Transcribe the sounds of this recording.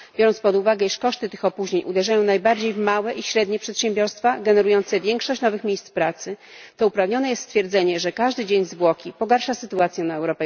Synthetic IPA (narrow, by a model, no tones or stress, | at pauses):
bʲɔɾɔnt̪spɔd̪uvaɡɛiʂkɔʂt̪ɘt̪ɘxɔpuʑɲeɲʔud̪ɛʐajɔ̃w̃najbaɾd͡ʑejvmawɛʔiɕɾɛd̪ɲɛpʂɛt̪ɕɛ̃mbʲjɔɾst̪faɡɛnɛɾujɔnt̪sɛvʲjɛŋkʂɔɕt͡ɕnɔvɘxmʲejst̪spɾat̪sɘ | t̪ɔupɾavɲɔnɛjɛst̪st̪fʲjɛɾd̪zɛɲɛʐɛkaʐd̪ɘd͡ʑeɲzvwɔkʲipɔɡaɾʂasɘt̪uat̪sʲjɛnaɛwɾɔpɛ